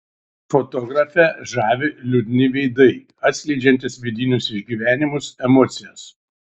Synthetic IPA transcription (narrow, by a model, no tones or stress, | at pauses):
fot̪ɔːɡɾɐfʲɛʒɑːʋʲɪlʲʊd̪ʲnʲɪʋʲɛɪd̪ɐɪ | ɐt̪ʲsʲlʲɛɪd͡ʒʲɛnʲt̪ʲɪsʋʲɪd̪ʲiːnʲʊsɪʒʲɡʲiːʋʲæːnʲɪmʊsɛmɔːt̪sʲɪjɛs